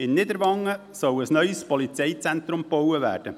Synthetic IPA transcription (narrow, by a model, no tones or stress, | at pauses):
ɪnːɪdəɾʋɑŋːə | sɔwəsnœʏspɔlit͡sɛɪt͡sɛnt̪ɾʊmpowəʋæ̰ːɾd̥ə